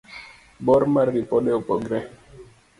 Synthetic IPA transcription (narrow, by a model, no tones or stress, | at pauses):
bɔɾmaɾːipɔɗɛɔpɔɡɾɛ